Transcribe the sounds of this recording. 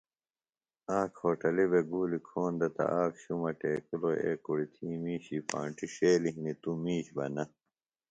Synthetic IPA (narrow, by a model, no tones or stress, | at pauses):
ãːkʰoːʈɐlibeɡuːlikʰoːnd̪ɐt̪ɐ̰ʔaːkɕumɐʈeːkuloḛːkuɽit̪ʰiːmiːɕiːpã̰ːɳʈiɕeːliɦnit̪umiːɕbɐ̰nɐ